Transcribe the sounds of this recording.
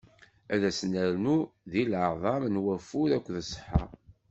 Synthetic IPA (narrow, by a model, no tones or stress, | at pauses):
æðæsnəɾnuðiləðˤɑmnwæfʊɾækʷːðəsˤːħɑ̰